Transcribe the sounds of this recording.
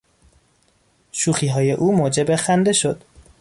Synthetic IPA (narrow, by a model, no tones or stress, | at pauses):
ʃuːxiːɦɒːje̞ʔuːmoːd͡ʒebe̞xænd̪e̞ʃo̞d̪̥